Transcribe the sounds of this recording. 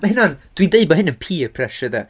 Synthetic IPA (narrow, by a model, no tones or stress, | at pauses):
mɛɦɪnand̥windeɨbɔɦɪnənpʰiːpʰrɛʃəda